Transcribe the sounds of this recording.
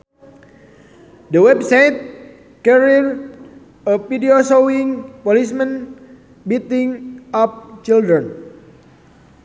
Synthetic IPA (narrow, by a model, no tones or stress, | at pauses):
dəwɛbsajt̪̚ | kɛɾir | əfidiosoiŋpolismə̃n | bit̪iŋɔp̚t͡ʃildɾən